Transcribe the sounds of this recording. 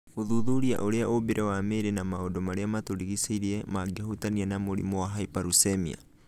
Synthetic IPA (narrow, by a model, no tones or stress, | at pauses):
oðuðuɾia̰ʔoɾeaʔobeɾʔɛwameːɾɛnamaodomaɾeamatoɾiɣiseiɾiemaɡehotanianamoɾḭmoaɦaipaɾusemia̰